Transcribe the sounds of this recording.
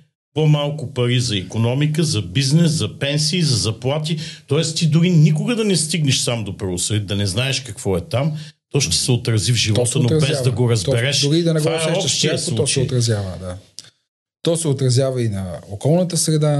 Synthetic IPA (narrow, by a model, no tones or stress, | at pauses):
pomalˠkʊpɐɾizɐikonɔmikəzɐbiznɛszɐpɛnsiːzɐzɐplˠat̪it̪ɔɛst̪id̪ʊɾinikʊɡəd̪ɐnɛst̪iɡnɛʃsamd̪opɾɐvʊsəit̪d̪ɐnɛznaɛʃkɐkv̥ɔɛt̪am | t̪ɔʃt̪ɛ̥sɛot̪ɾɐzivʒivɔt̪ənobɛzd̪ɐɡoɾɐzbɛɾɛʃʊɾid̪ɐnɛɡ̪vaɛɛɔpʃt̪ijəslˠuɔt͡ʃɛot̪ɾɐzjavə̰d̪a | t̪ɔsɛot̪ɾɐzjavɐinɐokɔlˠnət̪əsɾɛd̪a